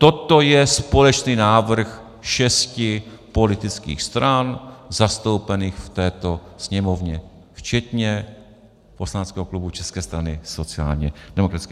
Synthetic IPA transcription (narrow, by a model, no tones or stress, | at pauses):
t̪o̞t̪o̞jɛspo̞lɛt͡ʃniːnaːvr̩x | ʃɛscɪpo̞lɪt̪ɪt͡skḭːxst̪ɾanzast̪o̞wpɛniːxft̪ɛːt̪o̞sɲɛmo̞vɲɛ | ft͡ʃɛt̪ɲɛ | po̞slanɛt͡skɛːɦoklubut͡ʃɛskɛːst̪ɾanɪso̞t͡sɪa̰ːlɲɛdɛmokɾḁskɛ